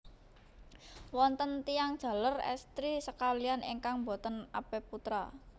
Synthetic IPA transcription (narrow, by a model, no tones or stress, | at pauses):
wɔnt̪ənt̪ijaŋd̥ʒ̥ä̤larɛ̰st̪ɾisəkalijanḭŋkaŋmbo̤t̪ənapeput̪ɾa̰